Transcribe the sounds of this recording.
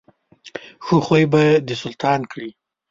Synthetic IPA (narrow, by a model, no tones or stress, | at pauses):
xoxojbad̪əsʊlt̪ʰɑnkɽi